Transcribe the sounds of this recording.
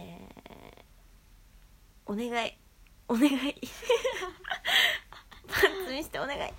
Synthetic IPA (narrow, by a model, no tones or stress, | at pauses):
ḛ | one̞ɡai | one̞ɡai | pat͡sɨmʲiɕi̥t̪eone̞ɡa̰ḭ